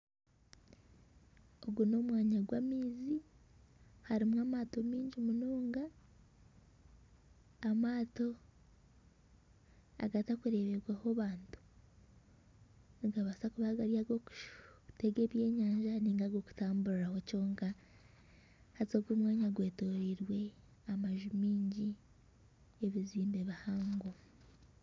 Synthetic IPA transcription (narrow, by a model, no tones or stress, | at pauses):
o̞ɡuno̞mwaːɲaɡwamiːzi | haɾimwamaːto̞miːɲɟimunuːŋɡa | maːto̞ | a̰ɡatakuɾe̞βeɡwahoβaːntu̥ | niɡaβasakuβaɡaɾiaɡo̞ku̥teɡe̞ːβje̞ːɲaːɲʒaniːŋɡaɡo̞ku̥taːmbuɾiɾahoco̞ːŋka | hazoɡwumwaːɲaɡwe̞ːto̞ɾiɾwe̞ | amaʒumiːɲɟi | eβiziːmbe̞βahaːŋɡo